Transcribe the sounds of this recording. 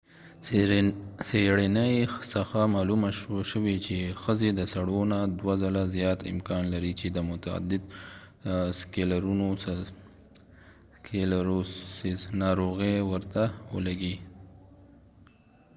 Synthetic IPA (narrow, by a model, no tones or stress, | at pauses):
seɽinəjsəxamɑlumaʃəwet͡ʃexəzed̪əsaɽonad̪wazalazjɑt̪ɪ̰mkɑnlaɾit͡ʃed̪əmʊt̪aa̰d̪ɪd̪ | skelaɾuno | elaɾo | nɑɾoɣewəɾt̪awə̰laɡi